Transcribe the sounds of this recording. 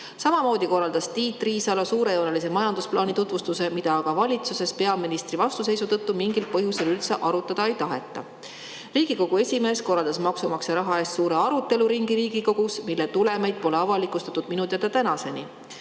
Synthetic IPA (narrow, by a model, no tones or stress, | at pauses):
sɑmɑmo̞ːd̪̥iko̞rːɑld̪̥ɑst̪iːt̪ːˑriːsɑlɑsuːɾe̞jo̞ːnelise̞mɑjɑnd̪̥usplɑːnit̪ut̪vust̪use̞mid̪ɑkɑvɑlʲit̪suse̞spe̞ɑminist̪rivɑst̪use̞jsut̪ɤt̪ːumiŋɡil̚pɤjuselylt̪seʔɑɾut̪ːˑɑd̪̥ɑejt̪ɑɦe̞t̪ˑːɑ̰ | riːɡ̥iko̞ɡ̥ue̞sʲime̞ːsko̞rːɑld̪ɑsmɑksumɑksjɑɾɑɦɑe̞ːst̪suːɾe̞ɑɾut̪ːˑe̞luɾiŋɡiɾiːɡ̥iko̞ɡ̥usmilːet̪ule̞mejd̪̥̚po̞le̞ɑvɑlikˑust̪ɑ̥t̪ːˑud̪̥minut̪iɑt̪ːɑt̪ænɑse̞ni